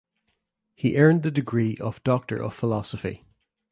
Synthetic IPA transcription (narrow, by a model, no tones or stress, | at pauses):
hiʔɜ̃˞nðədɪɡɹiːʔəv̥dɔk̚tʰə̰˞ʔə̰v̥fɪlˠɔsəfḭ